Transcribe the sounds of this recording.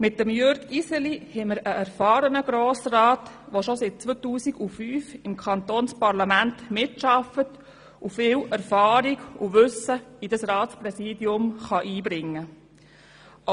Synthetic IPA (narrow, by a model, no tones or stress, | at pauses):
mɪt̚dəmjøɾɡisɛlihɛməɾəʔæɾfɑːɾənəɡ̥ɾoːsrɑːtʋoʃosɪt̚t͡sʋotuːsiɡufyːfɪmkʰχɑnt̪oːnspɑɾlɑmæntmɪtʃɑfət | ufɪːwɛɾfɑːɾiɡuʋʏsəidɑsɾɑːtspɾɛsiːdjʊmχɑʔiːbɾɪŋːə